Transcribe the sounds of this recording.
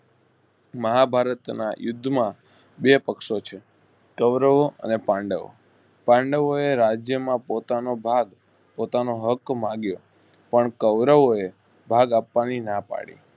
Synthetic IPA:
məɦabʱaɾət̪na̰jʊd̪ʱːmã | ɓepəkʃot͡ʃʰe | kəʋɾəʋoʔə̰nepãɳɖəʋo̰ | pãɳɖəʋoeɾad͡ʒjəmãpot̪anobʱaɡ | pot̪anoɦəkmãɡjo | pəɳkəʋɾəʋoe | bʱaɡapʋaninapa̰ɽḭ

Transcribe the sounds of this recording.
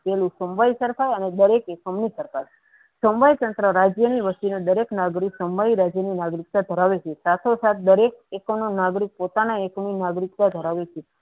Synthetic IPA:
pɛlũsəmʋaisəɾkʰajəned̪əɾekekəmnisəɾkaɾ | səmbajt̪ənt̪ɾəɾad͡ʒjəniʋəst̪inod̪əɾeknaɡɾiksəmbaiɾad͡ʒjəninaɡɾik̚t̪ad̪ʱəɾaʋet͡ʃʰesat̪ʰosat̪̚ʰd̪əɾek̚ekononaɡɾik̚pot̪anaekminaɡɾik̚t̪ad̪ʱəɾaʋet͡ʃʰe

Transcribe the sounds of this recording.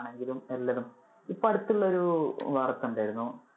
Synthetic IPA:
ɳe̞ŋɡilume̞lːɐðum | ipːoɐɽut̪ːuɭːɐoɾuʋɐrɐt̪ːuɳɖaːjiɾunːu

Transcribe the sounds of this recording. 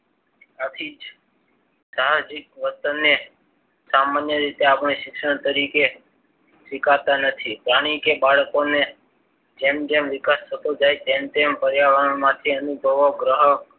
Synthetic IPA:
at̪ʰid͡ʒ | d̪ad͡ʒikʋət̪ənːe | samanjəɾit̪eapəɳ̃eʃɪkʃəɳt̪əɾike | ʃɪkat̪anət̪ʰipɾaɽ̃ikebaɭkone | d͡ʒemd͡ʒemʋɪkast̪ʰət̪od͡ʒajt̪emt̪empəɾjaʋənmãt̪ʰiənubʱəʋoɡɾəɦə

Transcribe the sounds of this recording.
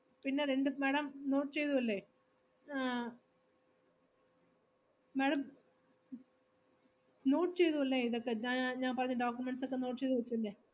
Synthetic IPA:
pinːe̞ɾe̞ɳɖɨmeːɽɐmnoːʈːɨt͡ɕe̞jt̪uʋɐlːe | meːɽɐm | no̞ːʈːɨt͡ɕe̞jt̪uɐlːeiðokːe̞ɲaɲaːnpɐrɐɲːɐɖoːkjumeɳɖsokːeno̞ːʈ̬ːɨt͡ɕejt̪ːuʋɐt͡ɕːuɐlːeː

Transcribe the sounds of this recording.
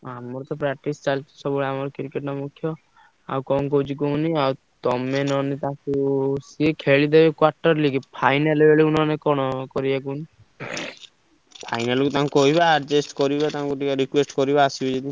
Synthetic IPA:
amɔɾt̪ɔpɾak̚ʈist͡ʃalt͡ʃʰi̥sɔbɔɭamɔɾɔkiɾkeʈnɔmukʰjɔ | a̰wkɔnk̬owt͡ʃikoniaw | t̪ɔmenɔnit̪ãkusiekʰeɭid̪ebekwaɾʈɔɾlikipʰajnalebeɭeunɔnekɔɽ̃ɔkɔɾibakuni | pʰajnalkut̪aŋkoɦibaːɾd͡ʒesʈkɔɾibat̪aŋkuʈ̪ikaɾikwesʈkɔɾibaːsibɔd͡ʒed̪i

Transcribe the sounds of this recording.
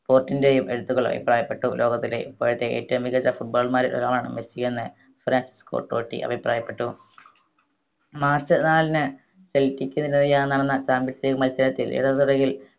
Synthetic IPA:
po̞ːrtːindejumʔe̞̰ɽut̪ːuɣoɭːɐ̰bʱḭpraːjɐpːe̞ʈːulʔo̞ːɡɐt̪ːilḛipːoːɻɐt̪ːeeːtːɐʋumʋiɣɐɐfuʈ̚boːɭmaːɾet̪ɐ̰laːɭaːɳɨ̰mesikːunːɨ | fɾaːnsi̥sko̰ːʈːo̰ːʈːḭʔɐ̰bʱipraːjɐpːe̞ʈːu | maːrsɨnaːlinɨ | seltːikʲːunɐinɐðijaːnnːɐɽɐnːɐt͡ɕaːmbisekɐmɐlsɐɾɐt̪ːilʔḭɽɐðuɽɐɣil

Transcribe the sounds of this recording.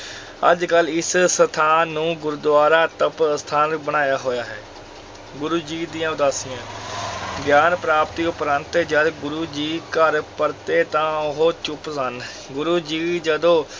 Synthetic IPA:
ə̰d͡ʒkəlɪssət̪ʰaːnũːɡʊɾd̪waːɾaːt̪əpst̪ʰaːnbəɳ̃aːjaːɦoːjaːɦɛ̰ː | ɡʊɾuːd͡ʒiːd̪iːãːʊd̪aːsɪjãː | ɡjaːnpɾaːpt̪iːʊpɾə̃nt̪eːd͡ʒəd̪ɡʊɾuːd͡ʒiːkəɾpəɾt̪eːt̪ãːʊɦoːt͡ʃʊpsən | ɡʊɾuːd͡ʒiːd͡ʒəd̪õː

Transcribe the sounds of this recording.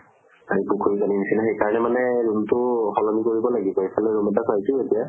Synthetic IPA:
aɹipukʰoikaninisinaxejkaɹɔnɛmanɛɹuntʊxɔlɔmikoɹibɔlaɡibɔepʰalɛɹumɛtakʰajtʊetija

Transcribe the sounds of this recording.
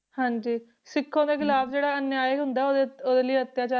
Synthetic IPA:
hãːɲd͡ʒiː | sɪkʰːõːd̪eːkʰɪlaːbd͡ʒeːɽaːənjaːjəɦʊ̃nd̪aːoeoːd̪eːləiːət̪ːjaːt͡ʃaː

